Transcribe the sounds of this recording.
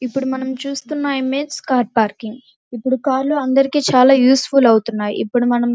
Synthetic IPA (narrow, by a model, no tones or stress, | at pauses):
ipːuɽumɐnɐmt͡ʃuːst̪unːajimeskaːɾʈ̚paːɾkiŋɡ | ipːuɽukaːɾloːɐnd̪ɐɾikiːt͡ʃaːlaːjuːsfulɐwut̪unːaːjḭʔḭpːuɽumɐnɐm